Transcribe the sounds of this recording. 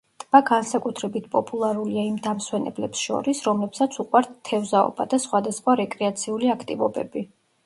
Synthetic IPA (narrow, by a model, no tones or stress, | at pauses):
t̪ʼb̥aɡansakʼut̪ʰɾɛbit̪̚ʰpʼɔpʼulˠaɾuliaimd̪amswɛnɛ̰blɛpsʃɔ̰ɾisɾɔmlɛpsat̪sʰuqʼwaɾt̪t̪ʰːɛvzaɔ̰bad̪asχwad̪asχwaɾɛkʼɾɛat̪sʰiuliakʰt̪ʼivɔbɛbi